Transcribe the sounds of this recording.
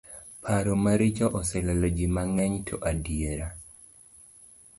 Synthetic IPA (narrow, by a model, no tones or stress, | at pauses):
pʰaɾomaɾit͡ʃɔʔɔsɛlɛlɔd͡ʒimaŋɛɲtʰɔʔadijeɾa